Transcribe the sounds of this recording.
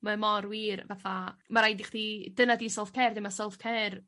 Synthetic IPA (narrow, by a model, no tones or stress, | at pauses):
mamɔɾwiːrvaθamaɾajdiχd̥id̥ənadiːsɛlˠfkʰɛːrdɪmasɛlˠfkʰɛːr